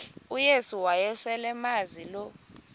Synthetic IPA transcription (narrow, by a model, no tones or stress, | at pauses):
ujesuwajɛswɛlɛmazilɔ